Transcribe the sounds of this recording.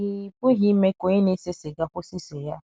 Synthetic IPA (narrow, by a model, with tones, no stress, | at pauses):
i˦˨pʊ˦ɦi˦me˦ko˨˦ɪ˦ne˦se˦se˨ɡa˦kʷʊ˦si˦se˨ja˦